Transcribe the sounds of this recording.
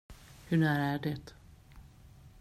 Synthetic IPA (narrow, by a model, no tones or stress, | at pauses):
hɵɳæːɾaæɖɛt̪